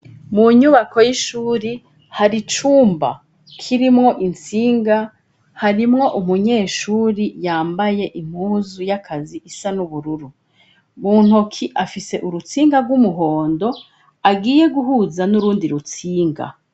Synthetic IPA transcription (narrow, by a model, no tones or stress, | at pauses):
muɲuβakʰo̞jiʃuːɾi | haɾit͡ʃuːmba̰ | kʰiɾimŋo̞ʔint͡siːŋɡa | haɾimŋo̞ʔumuɲe̞ːʃuːɾijaːmbaje̞ʔim̥huːzujakʰaziʔisanuβuɾuɾu | muːn̥hokʰiʔafise̞ʔuɾut͡siːŋɡaɾɡwumuɦo̞ːndo̞ | aɡiːje̞ɡuɦuːzanuɾuːndiɾut͡siːŋɡa̰